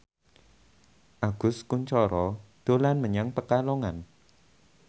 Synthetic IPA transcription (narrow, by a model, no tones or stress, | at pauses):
ʔaɡ̥ʊ̤skuɲt͡ʃɔɾɔd̪̥o̤lanməɲaŋpəkaloŋan